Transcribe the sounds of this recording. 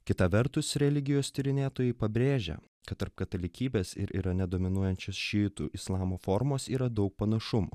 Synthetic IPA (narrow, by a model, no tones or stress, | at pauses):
kʲɪt̪ɑʋʲɛɾt̪ʊsɾʲɛlʲɪɡʲɪjoːsʲt̪ʲɪɾʲɪnʲeːt̪oːjɛɪpɐbʲɾʲeːʒʲɛ̰ | kɐt̪t̪ːɐɾp̚kɐt̪ɐlʲɪkʲiːbʲeːsɪ̰ɾʔḭːɾɐnʲɛd̪oːmʲɪnuɔjɛnʲt͡ʃʲoːsʃʲɪːt̪ṵʔɪslˠɑːmoːfoɾmoːsiːɾɐd̪ɐʊk̚pɐnɐʃʊmṵː